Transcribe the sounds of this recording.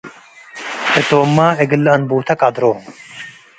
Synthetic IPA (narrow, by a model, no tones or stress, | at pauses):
et̪oːmːaːeɡəlɐnbuːt̪ʰɐkad̪ɾoːm